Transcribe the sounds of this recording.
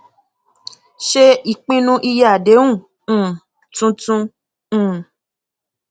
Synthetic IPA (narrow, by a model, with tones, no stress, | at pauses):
ʃe˦i˨k͡pĩ˦nũ˦ʔi˦˧ja˦˨de˨˦ũ˦˨˦ | tũ˦tũ˧˦˨